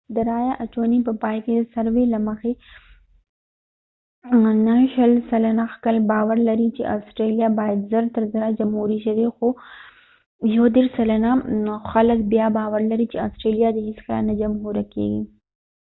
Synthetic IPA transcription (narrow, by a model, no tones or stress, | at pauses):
d̪əɾajaʔat͡ʃonipəpaːjked̪əsaɾwelaməxe | naʃəlsalanaxkalbaːwəɾlaɾit͡ʃeʔaːsʈɾelijabaːjad̪zəɾt̪əɾzəɾad͡ʒamhuɾiʃɐwexo | jod̪eɾsalanaxaləkbjabawəɾlaɾit͡ʃea̰ːsʈɾelijad̪əɦɪsxla̰nad͡ʒamɦuɾakḛɡi